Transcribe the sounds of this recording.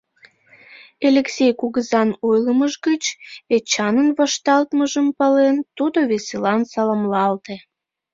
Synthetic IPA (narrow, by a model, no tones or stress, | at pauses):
elʲeksʲejkuɣəzɑnojləməʒɡət͡ɕet͡ɕɑnənβɑʃt̪ɑlt̪məʒəmpɑlent̪ud̪oβeselɑnsɑlɑmlɑlt̪e